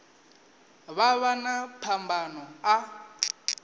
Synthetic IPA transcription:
βaβanapʰambanɔa

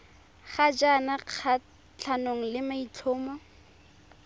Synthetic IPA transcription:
χad͡ʒanaq͡χʰa | t͡ɬʰanoŋ̩lɪmait͡ɬʰʊːmɔ

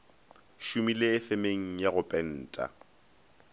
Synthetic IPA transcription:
ʃumilɪːfemeŋ̩jaɣʊpʼɛn̩ːtʼa̰

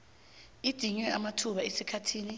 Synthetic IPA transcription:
id̥ʱiɲwɛamatʰuɓaesikʰatʰiːni

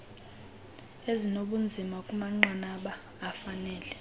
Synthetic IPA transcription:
ezinoɓund͡zʱimakʼumaŋ͡ǁanaɓaː | fanɛːlɛ

